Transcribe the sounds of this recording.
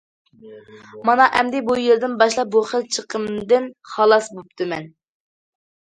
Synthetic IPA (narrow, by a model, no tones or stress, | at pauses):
mɑnɑʔɛmd̪ɪbujeɾd̪ɪnbɑʃlˠɑp̚buχəlt͡ʃʰəqʰəmd̪ɪnχɑlˠɑsbop̚t̪ʰɨmɛn